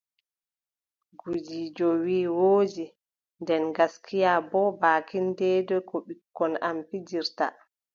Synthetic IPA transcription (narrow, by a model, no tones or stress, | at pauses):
ɡud͡ʒiːd͡ʒɔwiːwoːd͡ʒi | ndɛnɡaskʰijabɔbaːkindɛdɔkɔɓikːɔnampid͡ʒiɾta̰